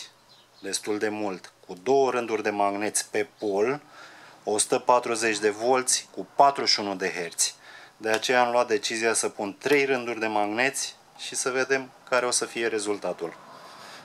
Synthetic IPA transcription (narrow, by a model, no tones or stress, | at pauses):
d̪e̞st̪uld̪e̞mult̪kud̪o̞wəɾɨnd̪urʲd̪e̞maɡne̞t̪sʲpe̞pol | o̞su̥t̪əpat̪ɾuze̞t͡ʃʲd̪e̞vo̞lt̪sʲkupat̪ɾuʃiunud̪e̞ɦe̞rt̪sʲd̪e̞at͡ʃe̞jaːmluat̪̚d̪e̞t͡ʃizijasəpunt̪ɾe̞jrɨnd̪urʲd̪e̞maɡne̞t̪sʲ | ʃisəve̞d̪e̞mkaɾe̞o̞səfije̞ɾe̞zult̪at̪ul